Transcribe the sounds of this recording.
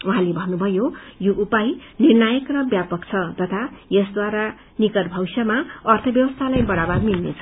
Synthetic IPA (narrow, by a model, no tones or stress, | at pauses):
uɦãlebʱʌnːubʱʌjojoʔupajnirnajʌkrʌbjapʌkt͡sʰʌt̪ʌt̪ʰajʌsd̪waɾa | nikʌʈbʱʌwsʌmaʌrt̪ʰʌbjʌbʌst̪ʰalajbʌɽabarmilnet͡sʰʌ̥